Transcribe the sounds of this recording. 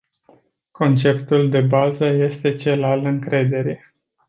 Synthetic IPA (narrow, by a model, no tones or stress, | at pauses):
ko̞nt͡ʃe̞pt̪uld̪e̞bazəje̞st̪e̞t͡ʃe̞lalɨŋkɾe̞d̪e̞ɾe